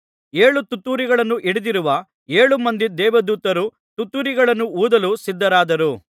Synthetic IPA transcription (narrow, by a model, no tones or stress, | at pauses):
e̞ːɭut̪ut̪ːuːɾiɡɐɭɐnːuʔiɽid̪iɾuʋɐ | e̞ːɭumɐnd̪id̪ɛːʋɐd̪uːt̪ɐɾu | t̪ut̪ːuːɾiɡɐɭɐnːuuːd̪ɐlusid̪ːɐɾaːd̪ɐɾu